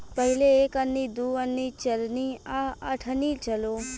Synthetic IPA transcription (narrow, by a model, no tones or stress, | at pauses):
pəɦɪleeːkənːid̪uːənːit͡ʃɐlniaa̰ʈʰənit͡ʃəloː